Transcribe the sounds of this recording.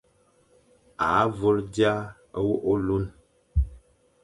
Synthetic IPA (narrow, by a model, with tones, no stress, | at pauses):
a˨˦və˦ɾdja˦ | ə˦wo˦ʔo˦lu˦n